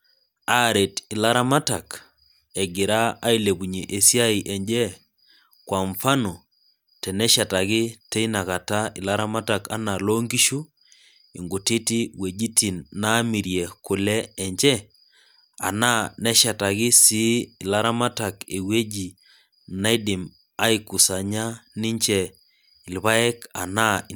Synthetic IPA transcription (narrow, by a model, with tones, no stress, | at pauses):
a˨˦˨ɾe˨tɪ˨la˦ɾa˦ma˦ta˨k | ɛ˨ɡɪ˨ɾaː˦i˨le˨bu˨ɲe˨ʔe˨sja˦i˨ʔɛ˨ɲd͡ʒɛ˦ | kwa˨ɱfa˦no˨ | tɛ˨nɛ˦ʃa˨ta˨kɪ˦tɛ˦i˦na˨ka˨ta˦ɪ̰˨la˦ɾa˦ma˦ta˨ka˦na˨lo˦ŋɡi˦ʃu˦ | ḭ˨ŋɡu˨ti˦ti˦we˨d͡ʒi˦ti˨nːa˦mi˨ɾjɛ˨kʊ˨lɛ˦ɛ˨ɲd͡ʒɛ˦ | a̰˨na˦nɛ˦ʃa˨ta˨kɪ˦siː˦˨la˦ɾa˦ma˦ta˨ke˨we˦d͡ʒi˨ | na˦i˦dɪ˨m | a˦i˦ku˨sa˨ɲa˦nɪ˦ɲt͡ʃɛ˦ | ɪ˨lβa˦ɛ˦ka̰˨na˦˨